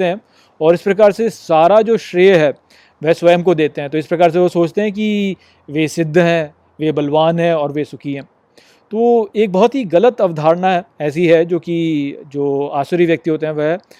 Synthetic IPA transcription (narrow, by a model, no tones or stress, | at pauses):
eɦɛ̃ | ɔːɾɪspɾɐkaːɾsesaːɾad͡ʒoːʃɾeːɦɛː | ʋɛɦsʋɐjəmkod̪eːt̪eɦɛ̃t̪oɪspɾɐkaːɾs̬eʋosoːt͡ʃt̪eɦɛ̃k̬i | ʋesɪd̪ʱːɦɛ̃ː | ʋebɐlʋaːnɦɛ̃ɔːɾʋesʊkʰiɦɛ̃ː | t̪ooeːk̚bɔɦɔt̪ɦiɣɐlət̪ɐʋd̪ʱaːɾnaɦɛɛːs̬iɦɛd͡ʒoːkid͡ʒoːaːʃəɾiʋjɐk̚t̪iɦoːt̪̬eɦɛ̃ʋɛɦ